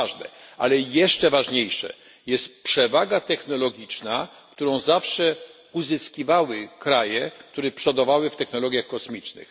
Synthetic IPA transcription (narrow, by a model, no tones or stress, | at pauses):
ʐnɛ̰a̰lɛjɛʂt͡ʂɛvaʐɲejʂɛ̰ | jɛst̪pʂɛvaɡat̪ɛxnɔlɔɡʲit͡ʂna | kt̪uɾɔ̃w̃zafʂɛ | uzɘskʲivawɘkɾajɛk̚t̪uɾɛpʂɔd̪ɔvawɘft̪ɛxnɔlɔɡʲjaxkɔsmʲit͡ʂnɘ̰x